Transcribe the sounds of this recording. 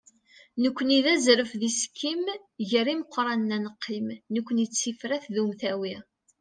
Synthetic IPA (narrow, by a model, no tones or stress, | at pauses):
nəkʷːəniðæzɾəfðiskʰːim | ʝəɾiməqʰʷːɾˤɑnːænəqʰːimnəkʷːənit͡sːifɾæθðumθæwi